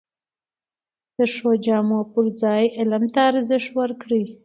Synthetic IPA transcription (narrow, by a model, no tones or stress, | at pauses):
d̪̥əʂod͡ʒɑmopuɾd͡zɑjɪlamt̪aːɾzɪʂwəɾkɽi